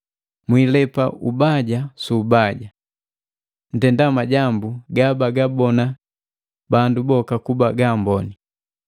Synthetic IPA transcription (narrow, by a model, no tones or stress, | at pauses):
mwilɛpaʔubaɟasuːbaɟa | n̩tɛndamaɟambuɡabaɡabɔna | bandubɔkakubaɡambɔni